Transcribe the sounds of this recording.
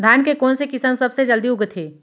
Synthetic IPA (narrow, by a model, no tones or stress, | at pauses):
d̪ʱaːnkekoːnsekɪsəmsɐbsed͡ʒəld̪iɦʊɡt̪ʰeː